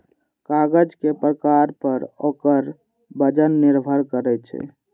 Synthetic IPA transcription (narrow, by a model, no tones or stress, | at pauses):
kaɡəd͡ʒkepɾəkaɾpəɾokəɾ | bəd͡ʒənːiɾbʱəɾkəɾɛt͡ʃʰɛ̰